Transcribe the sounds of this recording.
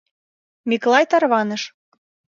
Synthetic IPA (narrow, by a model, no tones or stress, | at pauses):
miklˠɑjt̪ɑrβɑnɤ̆ʃ